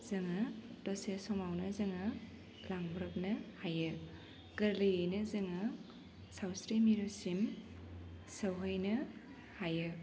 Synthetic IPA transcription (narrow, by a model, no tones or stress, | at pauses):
z̥ɐŋadɔsesɔmawnɐzɐŋa | laŋbɾɯk̚nɐhajɯ | ɡ̥ɐɾlɯjɯjnɐzɐŋɯ | sawsɾimiɾusim | sɐwɦɯjnɐ | hajɯ